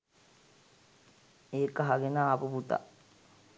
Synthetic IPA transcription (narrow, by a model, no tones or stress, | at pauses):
eːkəɦaɡenaːpuput̪a̰